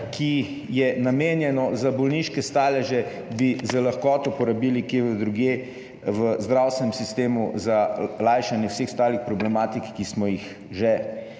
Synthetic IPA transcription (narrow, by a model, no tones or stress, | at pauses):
kʰi | jɛnameːnjɛnɔzabɔlniʃkɛst̪aːlɛʒɛ | bizəlaxkɔːt̪ɔpɔɾabiːlikeːʋəd̪ɾuɡje | ʋəzd̪ɾawst̪ʋɛnɛmsist̪eːmuzalaːjʃanjɛwseːxst̪aːlixpɾɔblɛmaːt̪ikkːismɔjix | ʒɛ